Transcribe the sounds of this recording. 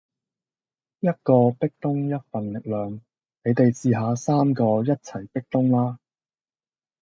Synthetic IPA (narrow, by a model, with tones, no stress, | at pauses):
jɐ˥t̚kɔː˧pɪ˥k̚t̪ʊ˥ŋjɐ˥t̚fɐ˨nlɪ˨k̚lœː˨ŋ | ne˨˧jt̪e˨jt͡siː˧ɦaː˨˧saː˥mkɔː˧jɐ˥t̚t͡sʰɐ˨˩jpɪ˥k̚t̪ʊ˥ŋlaː˥